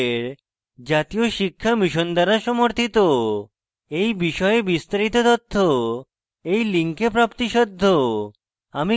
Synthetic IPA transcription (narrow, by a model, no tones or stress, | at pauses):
ɾ | d͡ʑat̪ijoʃikʰːamiʃond̪aɾaʃɔmoɾt̪ʰit̪o | ejbiʃɔeebist̪aɾit̪ot̪ɔt̪ʰːo | ejliŋkepɾapt̪iʃɔd̪ʱːo | ami